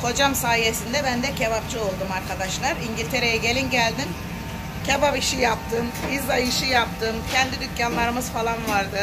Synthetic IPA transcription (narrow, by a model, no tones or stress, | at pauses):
kʰo̞d͡ʒamsaːjesind̪ɛbænd̪ɛcʰevapt͡ʃʰɯo̞lˠd̪umaɾkʰad̪aʃlˠaɾiɲɟilʲt̪ʰe̞ɾe̞jɛɟe̞lʲinɟælʲd̪in | cʰevapiʃijap̚t̪ʰɯmizajiʃijap̚t̪ʰɯmcʰɛnd̪id̪yt̪canlˠaɾɯmɯzfalˠanvaɾd̪ɯ